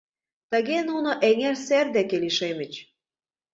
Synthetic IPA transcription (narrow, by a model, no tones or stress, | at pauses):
t̪ə̆ɣenunoʔeŋerserd̪ekeliʃemə̆t͡ɕ